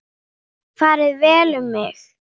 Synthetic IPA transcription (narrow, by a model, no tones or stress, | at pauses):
faːɾɪðvɛːlʏmːɪx